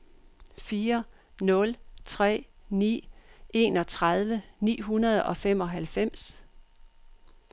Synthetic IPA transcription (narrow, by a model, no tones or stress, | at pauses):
fiːɐ | nɔ̽lt͡sʰʁɛ̰ːnḭːʔe̝ːnɒ̽t͡sʰʁað̞ˠʋənḭːɦunɐð̞ˠɒ̽fem̰ɒ̽ɦælfem̰s